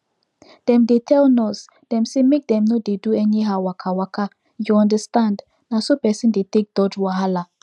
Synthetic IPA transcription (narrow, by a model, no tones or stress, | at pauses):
d̥ɛ̃mdetʰɛlnɔs | d̥ɛ̃msemek̚dɛ̃mnodeduɛniɦaʊwakʰawakʰa | juɔ̃ndəstãnd | nasopɛsĩndetek̚d̥ɔd͡ʒwaɦala